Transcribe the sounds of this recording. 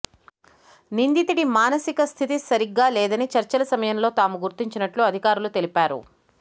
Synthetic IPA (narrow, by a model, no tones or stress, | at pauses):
nind̪it̪iɽimaːnɐsikɐst̪ʰit̪isɐɾiɡːaːlɛːd̪ɐnit͡ʃɐɾt͡ʃɐlɐsɐmɐjɐmlo̞ːt̪aːmuɡuɾt̪iɲt͡ʃinɐʈluɐd̪ʱikaːɾulut̪elipaːɾṵ